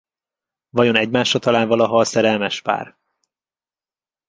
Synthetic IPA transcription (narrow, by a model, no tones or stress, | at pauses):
vɒjo̞nɛɟmaːʃɒt̪ɒlaːnvɒlɒɦɒːsɛɾɛlmɛʃpa̰ːr